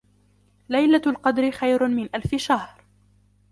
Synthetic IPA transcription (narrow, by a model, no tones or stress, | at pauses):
lajlalqɑd̪ɾɪxajɾʊmɪnʔalfɪʃahɾ